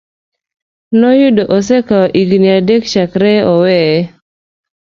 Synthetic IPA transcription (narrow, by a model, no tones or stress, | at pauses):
nɔjudoʔɔs̬ɛkaɔʔiɡniadekʃakɾɛɔwɛ